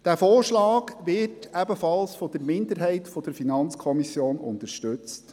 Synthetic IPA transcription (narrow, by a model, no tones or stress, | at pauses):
d̥æːfoːrʃlɑːɡʋɪtæbəfɑlsfɔd̥əɾmɪnd̪əɾɦɛɪtfɔd̥əɾfinɑnt͡skʰɔmisjoːnʊ̰nt̪əɾʃtʉt͡st